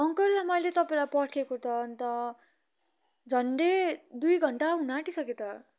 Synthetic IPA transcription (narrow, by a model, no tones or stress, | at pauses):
ʌŋkʌllamʌjlet̪ʌpaẽlajpʌʈʰekot̪ʌnt̪ʌ | d͡zʱʌnɖed̪ujɡʱʌɳʈaɦunaʈisʌket̪ʌ